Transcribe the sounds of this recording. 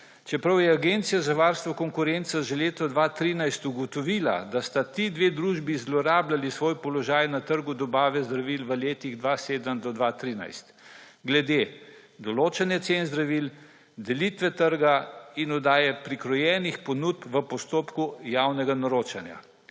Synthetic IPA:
t͡ʃɛpɾawjɛaɡent̪sijazaʋaɾst̪ʋɔkɔŋkuɾent̪saʒɛleːt̪ɔd̪ʋat̪ɾiːnajst̪uɡɔt̪ɔʋiːla̰d̪ast̪at̪id̪ʋed̪ɾuːʒbizlɔɾaːblalisʋoːjpɔlɔʒaːjnat̪əɾɡud̪ɔbaːʋɛzd̪ɾaʋilʋəleːt̪iɣd̪ʋaseːd̪əmd̪ɔd̪ʋat̪ɾiːna̰jst̪ | ɡlɛd̪e | d̪ɔloːt͡ʃɛnjɛt̪senzd̪ɾaʋil | d̪ɛlit̪ʋɛt̪əɾɡainɔd̪aːjɛpɾikɾɔjɛːnixpɔnut̪̚pʋəpɔst̪oːpkujawnɛɡanɔɾoːt͡ʃanja̰

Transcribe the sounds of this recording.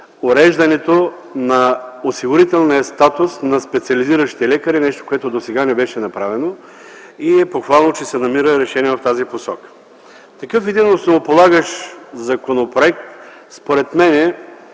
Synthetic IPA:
oɾɛʒd̪ɐnɛt̪o | nɐosiɡʊɾit̪ɛlˠnijəst̪at̪ʊsnɐspɛt̪siɐliziɾəʃi̥t̪ɛlɛkɐɾinɛʃt̪o̥koɛt̪od̪osɛɡanɛbɛʃɛnɐpɾavɛno | iɛpoxvalˠnot͡ʃɛsɛnɐmiɾəɾɛʃɛniɛft̪aziposɔkə̥ | t̪ɐkɤfɛd̪inosnovopolˠaɡəʃzɐkonopɾoɛk̚t̪ | spoɾɛt̪mɛnɛ

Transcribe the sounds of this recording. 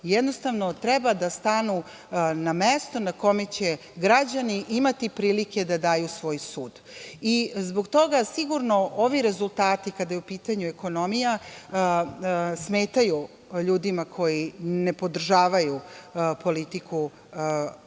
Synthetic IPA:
jɛd̪no̞st̪aʋno̞t̪ɾɛbad̪ast̪anu | namest̪o̞nako̞met͡ɕe̞ | ɡɾad͡ʑaniʔimat̪ipɾiːlike̞d̪ad̪aːjusʋo̞ːjsuːd̪ | izbo̞ɡt̪o̞ɡasiɡuɾno̞ʔoʋiɾe̞zulˠt̪aːt̪ikad̪ajeupiːt̪aɲueko̞no̞mija | sme̞ːt̪aju | ʎuːd̪imakʰo̞jine̞po̞d̪r̩ʒaːʋajupo̞lit̪ikʰu

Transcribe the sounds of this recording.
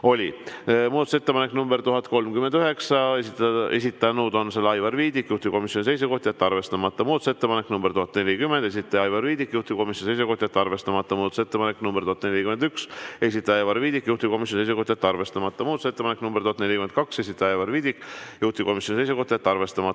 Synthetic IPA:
o̞lʲimuːd̪ɑt̪uset̪ːe̥ɑnekːnumbeɾt̪uɦɑt̪ːko̞lmkymend̪yɦe̞ksɑesit̪e̞̰s̬ʲit̪ːˑɑjɑnuːd̪o̞nselːɑjvɑrviːd̪ikːjuht̪iko̞misjonise̞js̬eko̞ht̪ʲjet̪ːɑrve̞st̪ɑmɑt̪ːɑmuːd̪ɑt̪uset̪ːe̞pɑnekːnumbɾt̪uhɑt̪ːˑne̞lʲikymːend̪̥e̞sit̪ːˑɑjɑjvɑrviːd̪ikːjuht̪iko̞misjonisejs̬uko̞ht̪ʲjet̪ːɑrve̞st̪ɑmɑt̪ːɑmuːd̪ɑt̪use̞t̪ːepɑneknumbeɾt̪uɑt̪ne̞lʲikymend̪ykse̞sit̪ːˑɑjɑjvɑrviːd̪̥ikːjuht̪ʲiko̞mis̬ʲjonisejseko̞ht̪jet̪ːɑrve̞st̪ɑmɑt̪ːɑmuːd̪ɑt̪use̞t̪ːe̥ɑnekːnumbeɾt̪uhɑt̪ne̞lʲikymenkɑksesʲit̪ːˑɑjɑjvɑrviːd̪̥ikːˑjuht̪iko̞misjonise̞jseko̞ht̪ʲjet̪ːɑrve̞st̪ɑmɑt̪ːɑ

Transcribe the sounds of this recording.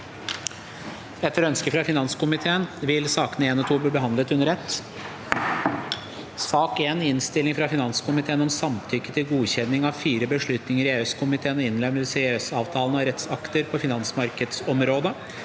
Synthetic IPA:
ɛt̪ːəɾœnskəfɾɑfɪnɑnskʊmɪt̪ʰeːənʋɪlsɑːkənəeːnɔt̪ʰuːbliːbəɦɑnd̪lət̪ʉnːəɾɛt̪ː | sɑːkeːnɪnst̪ɪlɪŋfɾɑfɪnɑnskʊmɪt̪ʰeːənɔmsɑmt̪ʰʏkːət̪ʰɪlɡuːçɛnːɪŋɑʋfiːɾəbəʂɭʉt̪nɪŋəɾɪeːœskʰʊmɪt̪ʰeːənɔɪnlɛməsɛeːœsɑːʋt̪ʰɑːlən̩ɑɾɛt̪sɑkt̪əɾpʰɔfɪnɑnsmɑɾkəd̪sɔmɾoːd̪ə

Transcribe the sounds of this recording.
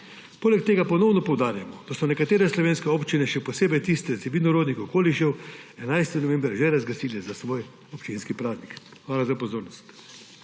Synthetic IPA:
poːlɛkt̪eːɡapɔnɔwnɔpɔwd̪aːɾjamɔd̪̥asɔnɛkat̪eːɾɛslɔʋeːnskɛoːpt͡ʃinɛʃɛpɔseːbɛjt̪ist̪ɛsɛbiːlnɔɾoːd̪nixɔkoːliʃɛwɛnajst̪inɔʋɛ̃mbɾɛʒɛɾazɡasiːlɛzasʋoːj | ɔpt͡ʃinskipɾaːznikxʋaːlazapɔzoːɾnɔst̪

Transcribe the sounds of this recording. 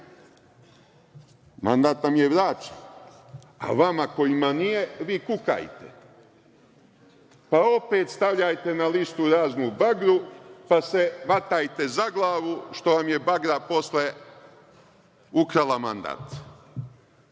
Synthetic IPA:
ma̰nd̪aːt̪namje̞ʋɾaːt͡ʃe̥n | a̰ʋamako̞jimanijeʋiːkuka̰jt̪ḛ | pao̞peːt̪st̪aʋʎajt̪e̞nalist̪uɾaːznubaɡɾupase̞ʋat̪ajt̪e̞zaɡlˠaːʋuʃt̪o̞ʋamje̞baɡɾapo̞sle | ukɾalama̰nd̪a̰ːt̪

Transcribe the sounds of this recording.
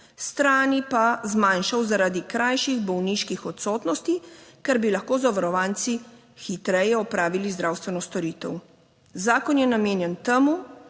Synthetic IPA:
st̪ɾaːnipazmanʃawzaɾaːd̪ikɾajʃiɣbɔwniʃkixɔt̪sɔːt̪nɔst̪ikɛɾbilaxkoːzɔʋaɾɔʋant̪si | xit̪ɾɛjɛɔpɾaːʋilizd̪ɾaːwst̪ʋɛnɔst̪ɔɾiːt̪ɛw | zaːkɔnjɛnameːnjɛnt̪ɛmu

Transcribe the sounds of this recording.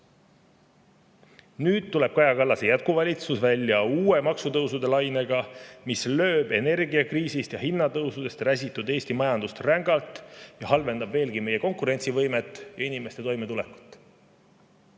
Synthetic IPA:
nyːd̪̥̚t̪ːule̞b̥̚kɑjɑkɑlːɑsejæt̪̚kuvɑlʲit̪susvælʲːjɑuːe̞mɑksut̪ɤwsud̪̥e̞lɑjne̞ɡ̥ɑmislø̞ːb̥e̞ne̞rɡiɑkriːsist̪jɑhinːɑt̪ɤwsud̪e̞st̪ræsʲit̪ːˑud̪e̞ːst̪imɑjɑnd̪ust̪ræŋɡ̥ɑlt̪jɑhɑlve̞nd̪ɑbve̞ːlɡime̞je̞ko̞ŋkuɾe̞nʲt̪sivɤjmet̪ːˑjɑinime̞st̪e̞t̪o̞jme̞t̪ulekːˑu̥t̪ːˑ

